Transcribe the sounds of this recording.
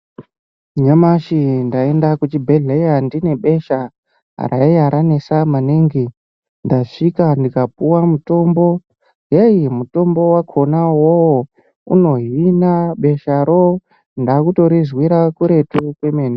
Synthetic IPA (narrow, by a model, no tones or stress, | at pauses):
ɲamaʃindae̞ndakut͡ʃibʱeɮejandine̞ɓe̞ʃa | a̰rʔa̰iaɾanesamaneŋɡi | ndaʂikandikap̚uwamuto̞mbo̞ | jejimuto̞mbo̞wakʰo̞nawowo | ṵno̞ɦinaɓe̞ʃaɾo | ndakuto̞ɾizwiɾakuɾe̞tukwemeːna